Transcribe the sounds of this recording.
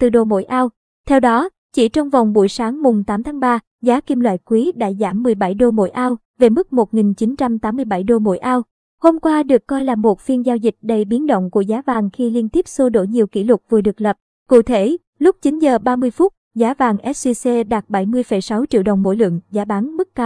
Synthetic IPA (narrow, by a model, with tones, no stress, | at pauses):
t̪ɨ˨˩ɗo˧˩mo̰˧˥jʔaː˧w | t̪ʰɛ˧wɗɔ˨˦ | t͡ɕḭ˧˩t͡ɕɔ˧wŋ͡mva˨˩wŋ͡mɓu˧˩jsaː˨˦ŋmʊ˨˩ŋ͡mt̪aː˨˦mt̪ʰaː˨˦ŋɓaː˧ | zaː˨˦ki˧mlwa̰ː˧˨jkwi˨˦ɗa̰ː˧˥zaː˧˩mːɨ˨˩əjɓa˧˩jɗo˧mo̰˧˥˩jʔaː˧w | ve˨˩mɨ˦˥k̚mo˨˩t̚ŋi˨˩nt͡ɕi˨˦nt͡ɕa˧mt̪aː˨˦mːɨ˧əjɓa˧˩jɗo˧mo̰˧˥˩jʔaː˧w | ho˧mkwaː˧ɗɨ˨˩əkːɔ˧jlaː˨˩mːo˨˩t̚fi˧ənzaː˧wzï˨˩k̟̚ɗə˧jɓi˨˦nɗə̰˧˨wŋ͡mku˧˩əzaː˨˦vaː˨˩ŋxi˧li˧ənt̪i˦˥əp̚so˧ɗo̰˧˩ɲi˨˩əwkḭ˧˩lʊ˨˩t̚vɨ˨˩ɗɨ˨˩ək̚lə˨˩p̚ | kṵ˧˨t̪ʰe˧˩ | lʊ˦˥k͡p̚t͡ɕi˨˦nzəː˨˩ɓaː˧mɨ˧əjfʊ˦˥t̚zaː˨˦vaː˨˩ŋʔɛ˦˥t̚si˧se˧ɗaː˨˩t̚ɓə˧˩jmɨ˧əjfə˧˩jsa˨˦wt͡ɕḭ˧˨əwɗə˨˩wŋ͡mmo̰˧˥˩jlɨ̰˧˨əŋzaː˨˦ɓa˨˦ŋmɨ˦˥kːaː˧w